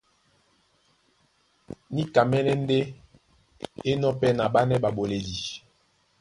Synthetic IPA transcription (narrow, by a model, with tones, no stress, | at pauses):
ni˦ka˨mɛ˦nɛ˦n˦de˦ | e˦nɔ˦pɛ˦na˨ba˦nɛ˦ba˨bo˨le˨di˨